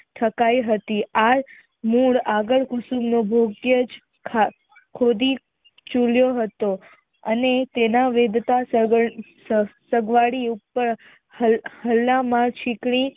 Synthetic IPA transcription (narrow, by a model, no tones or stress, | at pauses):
ʈʰəkajɦət̪iaɾ | muɽaɡəɭkʊsumnobʱoɡjəd͡ʒ | kʰa | kʰod̪i | t͡ʃuljoɦət̪o | ənet̪enaʋed̪t̪a | səɡʋaɽiupːəɾ | əhəlːamãt͡ʃʰikɳ̃i